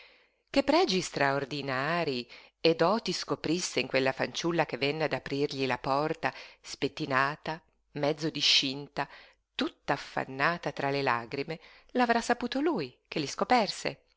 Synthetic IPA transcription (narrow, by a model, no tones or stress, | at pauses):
kepːɾɛːd͡ʒist̪ɾaord̪inaːɾi | ed̪ɔːt̪iskopɾisːeiŋkwelːafant͡ʃulːak̟evːɛnːead̪apɾirʎilapɔrt̪aspet̪ːinaːt̪a | mɛd̪zːod̪iʃint̪a | t̪ut̪ːaːfːa̰nːaːt̪at̪ɾalelaːɡɾime | lavɾasːapuːt̪olujkeliskopɛrsḛ